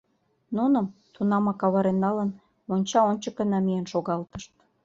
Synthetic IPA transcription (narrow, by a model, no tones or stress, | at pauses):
nunə̆mt̪unɑmɑkɑβɑɾenːɑlən | onʲt͡ɕɑonʲt͡ɕəkənɑmijenʃoɣɑlt̪ə̥ʃt̪̚